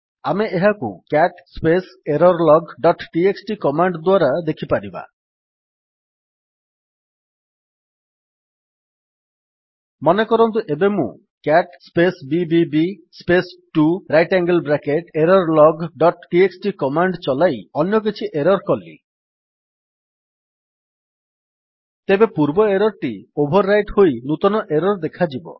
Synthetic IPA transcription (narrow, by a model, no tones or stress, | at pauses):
ameeɦakṵkaʈspeseɾɔɾlɔɡɖɔʈʈieksʈikɔmaɳɖd̪waɾad̪ekʰipaɾiba̰ | mɔnekɔɾɔnt̪̬uʔebemṵ̃ | kaʈspesbibibi | spesʈuɾajʈaŋɡelbɾakeʈeɾɔɾlɔɡɖɔʈʈieksʈikɔmaɳɖt͡ʃɔlajɔnjɔk̬it͡ʃʰiʔeɾɔɾkɔlːḭ | t̪ebepuɾbɔeɾɔɾʈiobʱɔɾːajʈhojnut̪ɔnɔʔeɾɔɾd̪ekʰad͡ʒibɔ̰